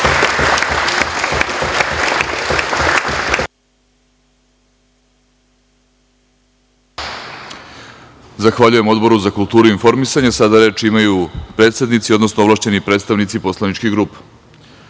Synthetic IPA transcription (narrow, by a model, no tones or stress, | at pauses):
zaxʋaʎuje̞mo̞d̪bo̞ɾuzakulˠt̪uːɾuinfo̞ɾmisaɲesad̪aɾe̞ːt͡ʃimajupɾe̞ːt̪sed̪nit̪sio̞d̪no̞snooʋlˠaːʃt͡ɕe̞nipɾet̪st̪aʋnit̪sipo̞slˠanit͡ʃkiɡɾuːpe̥